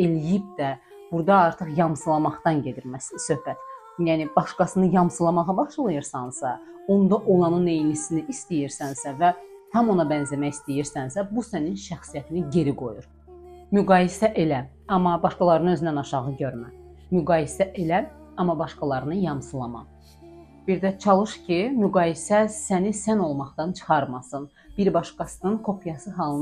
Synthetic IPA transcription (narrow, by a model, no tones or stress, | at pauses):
e̞lijip̚d̪æ | b̥uɾd̪ɑɑɾt̪ʰɯχjɑmsɯlˠɑmɑχt̪ɑnɟe̞d̪iɾmæssø̞hbæt̪ | jæːnibɑʃkɑsɯnɯjɑmsɯlˠɑmɑʁɑbɑχʃlˠɯjɯɾsɑnsɑo̞nd̪ɑʔo̞lˠɑnɯnejinisiniʔist̪ijiɾsænsævæt̪ʰɑmo̞nɑbænzæmæjist̪ijiɾsænsæbusæninʃæxsijæt̪ʰiniɟe̞ɾiɡo̞juɾ | myɡɑːjisæʔe̞læ | ɑmːɑbɑʃkɑlˠɑɾɯnɯø̞zynænɑʃɑʁɯɟøɾmæ | myɡɑːjisæʔelæ | ɑmːɑbɑʃkɑlˠɑɾɯnɯjɑmsɯlˠɑmɑ̰ | b̥iɾd̪æt͡ʃʰɑlˠɯʃcʰimyɡɑːjisæsænisæno̞lˠmɑχt̪ɑnt͡ʃʰɯ̥χɑɾmɑsɯn | b̥iɾbɑʃkɑsɯnɯnkʰo̞pʰjɑsɯɦɑlˠɯ